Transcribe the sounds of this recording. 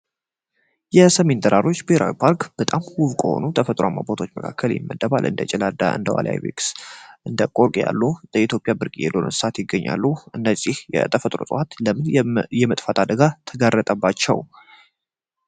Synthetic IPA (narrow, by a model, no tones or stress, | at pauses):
jɛsəme̞nd̪ʰʼəɾaɾo̞t͡ʃːbeheɾʔa̰wipʰaɾkb̥ət̪ʼamwʊβkʼəho̞̰nut̪ʰəfət̪ʼɾoamːa̰bot̪ʰot͡ʃːməkʰa̰kʰːəljɪ̰mːəd̪əβa̰lʔɨ̰nd̪ət͡ʃʼɛlad̪a̰ʔɨ̰nd̪əwa̰la̰jβḭksʔɨnd̪əkʼoɾkʼja̰lːud̪̥əit̪ʰjopʼjabɨɾkʼijɛ̰lːonɨ̰nsɨat̪jɪɡːəɲːa̰lːuʔɨnːəzːihjɛ̰t̪ʰʼəfət̪ʼɾo̞sʼəwat̪ləmɨnjɛmət̪ʼfat̪ʰad̪əɡat̪ʰəɡarːət̪ʼəbːat͡ʃːɛw